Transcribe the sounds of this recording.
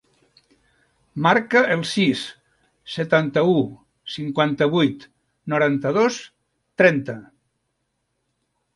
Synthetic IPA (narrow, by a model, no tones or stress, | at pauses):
maɾkəʔəlˠsisː | ət̪ant̪əu | siŋkwant̪əβujt̪ | nuɾant̪əð̞os | t̪ɾɛnt̪ə